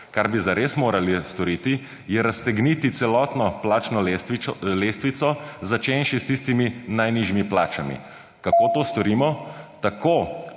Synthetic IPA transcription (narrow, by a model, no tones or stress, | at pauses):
kaɾbizaɾesmoːɾalist̪ɔɾiːt̪i | jɛɾast̪ɛɡniːt̪it̪sɛlɔt̪nɔplaːt͡ʃnɔlelest̪ʋit̪sɔzat͡ʃenʃist̪ist̪iminajniʒimiplaːt͡ʃamḭ | kakoːt̪ost̪ɔɾiːmɔt̪ako